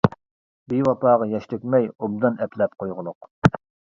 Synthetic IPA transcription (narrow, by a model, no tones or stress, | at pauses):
biwɑpɑːʁɑjɛʃt̪ykʲmɛjobd̪ɨnɛplɛp̚qʰojʁʊlˠʊq